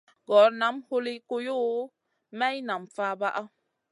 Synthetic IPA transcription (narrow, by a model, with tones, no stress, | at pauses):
ɡɔ˨˦ɾna˨˦mho˦li˦ko˦jo˦ | mɛ˦jna˨mfa˦ba˦ʔa˦